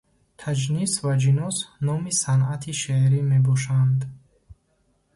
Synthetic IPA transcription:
t̪ʰad͡ʒnisvad͡ʒinɔsnɔmisanat̪ʰiʃeɾime̞bɔʃand̪

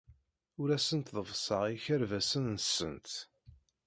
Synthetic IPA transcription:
ʊɾæsənt̪ðəvsˤɑiçæɾvæsənːəsə̰nt̪

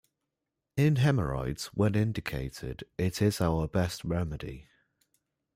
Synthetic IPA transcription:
ɪ̃nɦɛməɹa̰ɪdz̥wə̃nɪ̃ndɪkʰḛɪtʰɪ̰d̥ɪtʰɪz̥aʊəbɛstɹɛmədɪ̰

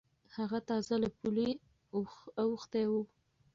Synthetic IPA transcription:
haɣat̪ɑzalapule | awuxt̪ajwu

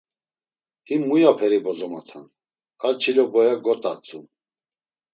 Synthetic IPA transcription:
imːujapʰɛɾibɔzɔma̰t̪ʰa̰n | kalt͡ʃʰilɔbɔjaɡɔt̪ʼat͡sʼun

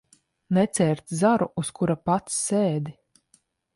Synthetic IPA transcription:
nɛt̪sɛːɾt̪zaɾuuskuɾapat̪sːeːd̪i

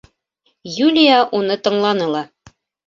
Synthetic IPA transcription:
julʲijaʔunɤt̪ɤ̆ɴlˠɑnɤlˠɑ

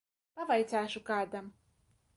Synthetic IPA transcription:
pavajt̪sʲæːʃukaːd̪am

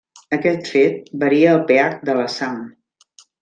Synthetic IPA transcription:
əkɛt̪fet̪̚bəɾiəːlˠpeak̚d̪ələsaŋ

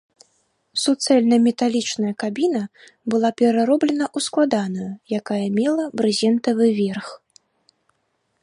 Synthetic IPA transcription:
sut̪sɛlʲnɐmʲɛt̪alʲit͡ʂnɐjɐkabʲinɐ | bɨlˠapʲɛɾaɾɔblʲɛnɐʔusklˠad̪anujujakajɐmʲɛlˠɐbɾɨzʲɛnt̪ɐvɨvʲɛrx

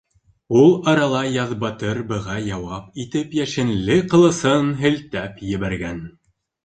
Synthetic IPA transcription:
ulˠɑɾɑlˠɑjɑðbɑt̪ɤɾbɤ̆ʁɑjɑwɑpit̪ɘpjæʃɘ̆nlɘqɤ̆lˠɤ̆sɤnɦɘ̆lt̪æpjɘ̆βæɾɡæn

